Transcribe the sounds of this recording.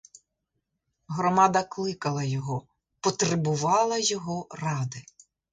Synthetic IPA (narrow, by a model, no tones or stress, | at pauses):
ɦɾɔmɑd̪ɐklˠɪkɐlˠɐjɔɦɔ | pɔt̪ɾɪbʊʋɑlˠɐjɔɦɔrɑd̪ɪ